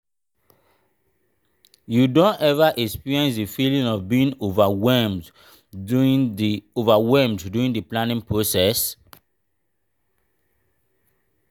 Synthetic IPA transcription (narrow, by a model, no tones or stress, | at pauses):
judõntɛvaʔɛkspiɹiɛ̃nsdifilĩŋɔvbiĩŋovawɛmd | ovawɛlmdduĩndəplãnĩŋpʰɹosɛs